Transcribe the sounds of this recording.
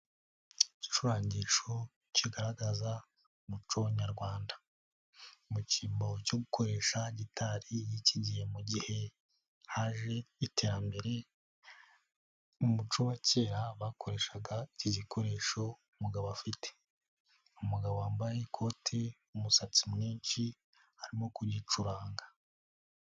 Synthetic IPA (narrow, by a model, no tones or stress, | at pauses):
ici̥ʃuɾaːɲɟiʃo̞ | ciɡaɾaɡaza | umut͡ʃowaɲaɾɡwaːndḁ | muciːmboco̞ɡukʰo̞ɾe̞ːʃaɟitʰaɾijiciɟihe̞muɟihe̞ | haʒe̞itʰe̞ːɾambe̞ɾe̞ | umut͡ʃoβace̞ːɾaβako̞ɾe̞ʃaɡaciɟikʰo̞ɾe̞ːʃo̞umuɡaβoafite̥ | umuɡaβoaːmbajekʰo̞tʰe̞ | umusat͡simŋiːnt͡ʃi | haɾimo̞kuɾɟit͡ʃuɾaːŋɡa